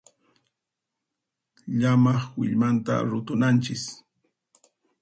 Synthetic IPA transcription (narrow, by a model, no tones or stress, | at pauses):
ʎamɑχwɪʎmant̪a̰ɾʊt̪ʊnant͡ʃɪs